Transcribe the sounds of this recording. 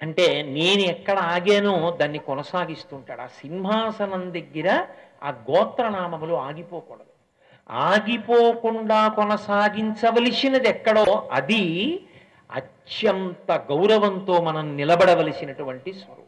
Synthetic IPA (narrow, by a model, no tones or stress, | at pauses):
ɐɳʈe̞ːne̞ːnuɛkːɐɽɐaːɡeːnud̪aːnːikɔnɐsaːɡist̪uːɳʈaːɽa̰ːsinimʱaːsɐnɐnd̪ɐɡːiɾɐ | a̰ːɡɔːt̪ɾɐnaːmɐmuloːaːɡipoːkɔːɽɐd̪u | aːɡipoːkuɳɖaːkɔnɐsaːɡiɲt͡ʃɐʋɐlisinɐd̪ɛkːɐɽoːɐd̪i | ɐ̰t͡ʃjɐnt̪ɐɡɐwɾɐʋɐnt̪o̞ːmɐnɐmnilɐbɐɽɐʋɐlisinɐʈuʋɐɳʈisʋɐɾṵː